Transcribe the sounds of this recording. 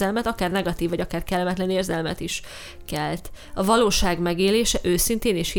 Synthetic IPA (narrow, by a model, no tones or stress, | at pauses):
ɛlmɛt̪ɒkaːrnɛɡɒt̪iːvːɒɟɒkaːrkɛlːɛmɛt̪lɛneːrzɛlmɛ̰t̪iʃ | kɛlt̪ɒvɒloːʃaːɡmɛɡeːleːʃɛʔøːsint̪eːniʃhi